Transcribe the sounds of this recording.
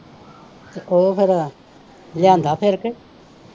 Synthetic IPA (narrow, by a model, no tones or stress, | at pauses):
t̪eʔoːpʰɪɾ | ljãːnd̪aːpʰɪɾkɪ